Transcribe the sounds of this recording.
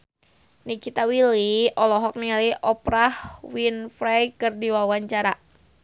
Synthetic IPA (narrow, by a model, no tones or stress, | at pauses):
nikit̪awiliɔlɔɦɔk̚nialiʔɔpɾahwinfɾajkərdiwawaɲt͡ʃaɾa